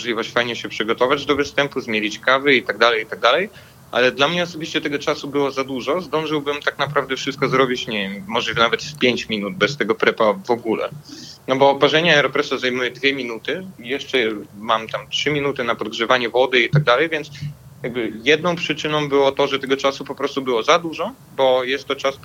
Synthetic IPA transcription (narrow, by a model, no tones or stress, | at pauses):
ɔʐlʲivɔɕt͡ɕfajɲɛɕɛpʂɨɡɔt̪ɔvad͡ʑd̪ɔvɘst̪ɛmpuzmʲjelʲit͡ɕkavɘit̪aɡ̚d̪alɛjit̪aɡ̚d̪alɛj | ʔa̰lɛd̪lamɲɛɔsɔbʲiɕt͡ɕɛt̪ɛɡɔt͡ʂasubɘwɔzad̪uʐɔzd̪ɔ̃w̃ʐɘwbɘmt̪aknapɾavd̪ɛfʂɨst̪̚kɔzɾɔbʲit͡ɕɲɛvʲjɛmːɔʐlʲivnavɛt̪fpʲjeɲt͡ɕmʲinud̪̚bɛst̪ɛɡɔpɾɛpavɔɡulɛ̰nɔbɔːpaʐɛɲaɛɾɔpɾɛsazajmujɛd̪vʲjɛmʲinut̪ɘjɛʂt͡ʂɛmamt̪amtʂɘmʲinut̪ɘnapɔd̪̚ɡʐɛvaɲɛvɔd̪ɘit̪aɡ̚d̪alɛjvʲjɛnt̪s | jjaɡ̚bɘjɛd̪̚nɔ̃w̃pʂɘt͡ʂɘnɔ̃w̃bɘwɔt̪ɔʐɛt̪ɛɡɔt͡ʂasupɔpɾɔst̪ubɘwɔzad̪uʐɔ | bɔjɛst̪ːɔt͡ʂas